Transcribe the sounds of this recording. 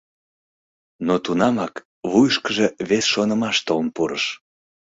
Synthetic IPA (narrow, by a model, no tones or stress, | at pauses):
not̪unɑmɑk | βujʃkəʒeβesʃonəmɑʃt̪olnpuɾəʃ